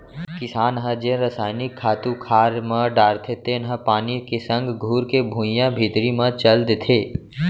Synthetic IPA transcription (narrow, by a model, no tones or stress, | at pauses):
kɪsaːnɦəd͡ʒẽɾəsaːɪnɪkʰːaːt̪ukʰaːɾmə̃ɖaːɾt̪ʰet̪eːnɦəpaːnikesə̃ŋɡɡʱuːɾkebʱũːjãbʱiːt̪ɾimə̃t͡ʃəld̪et̪ʰeː